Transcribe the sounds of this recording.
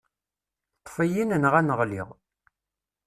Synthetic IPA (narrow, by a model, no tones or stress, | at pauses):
t̪ˤːfæjinənʁænəʁlḭʁ